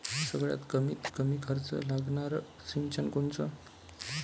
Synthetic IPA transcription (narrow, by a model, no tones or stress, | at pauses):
səɡɭja̰t̪kəmit̪kəmiːkʰəɾt͡sə̰laɡɳaɾ | sint͡ɕənkoɳt͡sə